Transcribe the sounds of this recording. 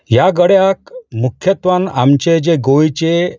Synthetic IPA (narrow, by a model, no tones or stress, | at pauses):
jaɡəɽjakmukʰjət̪ʋanamt͡ɕed͡ʑeɡojt͡ɕe